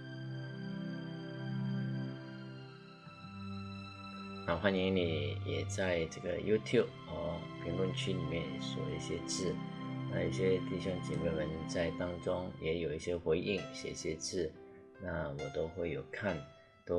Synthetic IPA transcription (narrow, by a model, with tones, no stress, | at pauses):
na˨˩xwa˥˩ni˧˥ŋni˨˩jɛ̰˨˩t͡sa˥˧ɪʈ͡ʂɤ˥˩ɡə̰˩ju˥t̪ʰju˥˩p̚ə˧˥pʰi˧˥ŋlwə˥˧nt͡ɕʰy˥li˨˩mjɛ˥˩n˩ʂwɔ̰˨˩ḭ˥˩ɕjɛ˥t͡sɹ̩˥˩na̰˥˧jo˧˥˩ɕjɛ˥t̪i˥˩ɕʊ˥˩ŋt͡ɕɛ̰˨˩me˥˩wə˧˥nt͡sa˥˩ɪt̪ɑ˥ŋʈ͡ʂʊ˥ŋjɛ˧˥jo˨˩ʊi˥˩ɕjɛ˥xwe˧˥ɪʔi˥˩ŋɕjɛ̰˨˩i˥˩ɕjɛ˥t͡sɹ̩˥˩ | na˥˩wɔ˨˩t̪o˥ʊxwe˥˩ɪjo˨˩ʊkʰa˥˩n | t̪o˥